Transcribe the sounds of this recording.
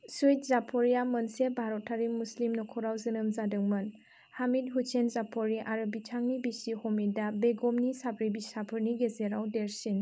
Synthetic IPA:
sujt̚zapʰɔɾijamɯnsebʱaɾɔtʰːaɾimuslimnɔkʰɔɾawzɯnɯmzadɯŋmɯn | hamit̚ɦusenzapʰɔɾiʔaɾɯbitʰaŋnibisihɔmidabeɡɔmnisapʰɾibisapʰɯɾniɡezeɾawdeɾsin

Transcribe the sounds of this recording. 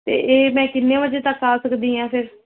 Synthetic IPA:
t̪ḛːʔeːmɛ̃ːkɪnːẽːʋəd͡ʒeːt̪əkːaːsəkd̪iːɦãːpʰɪɾ

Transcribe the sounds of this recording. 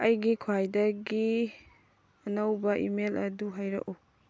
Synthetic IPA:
ɐjɡikʰwajdɐɡi | ɐnɐwbɐʔimelɐduɦajɾɐ̰ʔu

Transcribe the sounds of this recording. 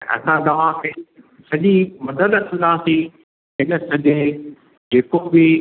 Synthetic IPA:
ɐ̰sãt̪ɐʋ̤ãkʰe | sɐʄimɐd̪əd̪t̪ʰɪ̃nd̪aːsĩ | ɪnəsɐd͡ʑeː | d͡ʑeːkobɪ

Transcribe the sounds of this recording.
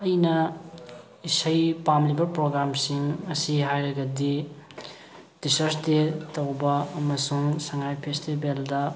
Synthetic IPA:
ɐjnɐ | isɐjpamlibɐpɾoɡɾamsiŋɐsiɦajɾɐɡɐdi | d̥isɐɾsdetɐwbɐːmɐsuŋsɐŋajpʰestibeldɐ

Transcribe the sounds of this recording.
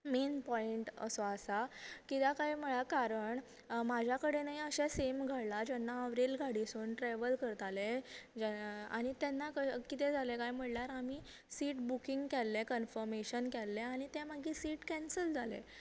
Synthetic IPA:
menpɔiɳʈə̰sɔasakit̪akajm̤əɭakaɾəɳ | mad͡ʑʱjakəɽenaiəɕɛsemɡʱəɽlad͡ʑɛnːaəʋɾelɡʱaɽisuːnʈɾɛʋəlkəɾt̪aled͡ʑɛa̰ɽ̃it̪ɛnːakəkit̪ɛd͡zʱalekajm̤əɽlaɾamiː | siːʈbukiŋɡkɛlːekənfəɾmeɕənkɛlːeaɽ̃it̪ɛ̃məɡʱiːsiːʈkɛnsəld͡zʱalḛ

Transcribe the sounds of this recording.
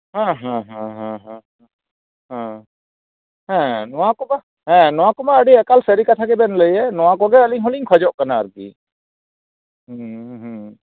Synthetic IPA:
ɦãɦãɦãɦãɦãɦ | ɦã | ɦɛ̃nɔwakɔba | ɦɛ̃nɔwãkɔmaəɖiɛkalsəɾikat̪ʰakɛbɛnləjɛnɔwakɔɡɛəliŋɦɔliŋkʰɔd͡ʒɔʔkanaːɾɡḭ | ɦɦ

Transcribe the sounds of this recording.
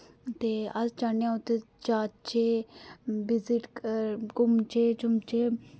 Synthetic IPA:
t̪eːɐst͡ʃaneãut̪e | t͡ʃaːt͡ʃeː | bɪzɪʈkʊmt͡ʃeːt͡ʃʊmt͡ʃe

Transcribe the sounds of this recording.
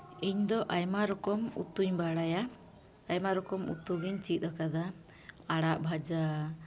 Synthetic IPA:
iɲd̪ɔʔajmaɾɔkɔmṵt̪uɲbaɽajaː | jmaɾɔkɔmṵt̪uɡiɲt͡ʃit̪̚ˀakad̪a | aɽaʔbʱad͡ʒa

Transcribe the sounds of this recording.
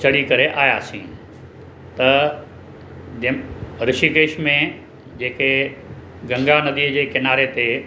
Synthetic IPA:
t͡ɕɐɽikɐɾeʔaːjaːsĩː | t̪ɐ | ɾɪʃikeːʃmẽ | d͡ʑeːke | ɡɐ̃ŋɡanɐd̪iːd͡ʑeːkɪnaːɾet̪e

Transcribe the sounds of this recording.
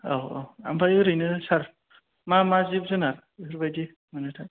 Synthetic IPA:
awo̰wa̰mbʰajɯɾɯjnɯsaɾ | mamazibzɯnaɾ | ɯɾbajdi | mɯnɯtʰa

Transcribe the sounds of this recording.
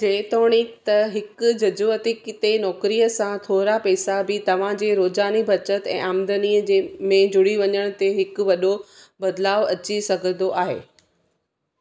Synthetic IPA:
d͡ʑeːt̪oːɽ̃it̪ɐɦɪkʊd͡ʑɐd͡ʑuːət̪ikɪt̪enɔːkɾijəsãt̪ʰoːɾapɛːsabɪt̪ɐʋ̤ãd͡ʑeːɾoːd͡ʑaːnibʱɐt͡ɕət̪ɛ̰̃ːʔaːmd̪əniəd͡ʑemẽd͡ʑʊɽiʋɐɲəɽ̃ʊ̆t̪eɦɪkʋɐɗo | bɐd̪laːʋɐt͡ɕisɐɡʱə̃nd̪oʔaːɦḛː

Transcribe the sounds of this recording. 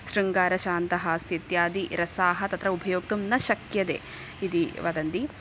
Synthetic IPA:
ʃɾiŋɡaːɾɐʃaːnt̪ɐɦɐset̪jaːd̪iɾɐsaːɦɐt̪ɐt̪ɾɐubʱɐjoːk̚t̪umnɐʃɐkjɐd̪ḛː | id̪iʋɐd̪ɐnd̪i

